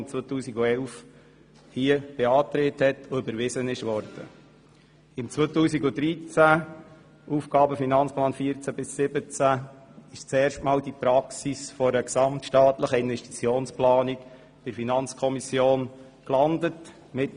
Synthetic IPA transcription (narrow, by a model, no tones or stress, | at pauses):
t͡svoːtuːsiɡoɛlf | hiəb̥eɑːt̪ɾeːthɛtʰoʏbəɾvɪzənɪʃʋɔɾd̥ə̰ | ɪmt͡sʋot̪uːsiɡod̥ɾit͡sæ | uːfɡɑːbəfinɑnt͡splɑːnfiəɾt͡sæbɪsːɪbət͡sæɪʃt͡sɛːɾʃtmɑːldipɾɑksisfɔɾəksɑmtʃtɑːtləχəɪnvɛʃti̥t͡sjoːnsplɑːnik | fɪɾfinɑnt͡skʰɔmisjoːn | klɑndət | mɪt